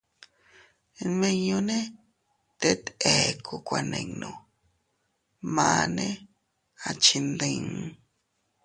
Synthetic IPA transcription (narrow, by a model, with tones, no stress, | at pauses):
mẽ˧ɲõ˧nẽ˦ | t̪e˦t̪e˨kʰu˧kʷa˧nḛ̃˧ŋnõ˧˨ | mã˧nẽ˦ | a˧t͡ʃi˧nd̪ĩ˧ŋ˧